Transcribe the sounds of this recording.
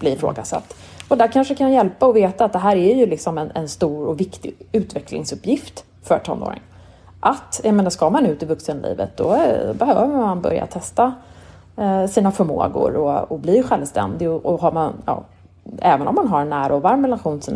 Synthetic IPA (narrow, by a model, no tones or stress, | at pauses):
b̥lɪɾɪfɾo̰ːɡasa̰t̪ː | ɔd̪æɾkʰanʂəkʰanjɛlpaɔveːt̪aːt̪̚d̪ɛɦæːɾæɾjɵlɪksɔmɛnɛnst̪uːɾɔvɪkt̪ɪʉ̟ːt̪vɛklɪ̰ŋsɵpːjɪft̪ | fœɾʈʰɔ̰no̰ːɾɪ̰ŋ | ʔat̪jameːnaʂskamanʉ̟ːt̪ɪvɵksənlḭːvə̰t̪̚d̪ɔ̰bɛhøːvəɾmanbœ̰ɾja̰t̪ʰɛst̪a | siːnafœɾmo̰ːɡʊ̰ɾɔɔblɪjɧɛlvst̪ɛ̰nd̪ɪɡɔʔɔɦaɾmanjɑ̰ː | ɛːvənɔmːanɦaɾɛnːæːɾaɔvaɾmɛlaɧuːnɪsin